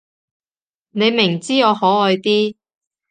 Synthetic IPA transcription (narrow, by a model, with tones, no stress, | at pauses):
ne˨˧jmɪ˨˩ŋt͡siː˥ŋɔː˨˧hɔː˨˥ɔː˨˧jt̪iː˥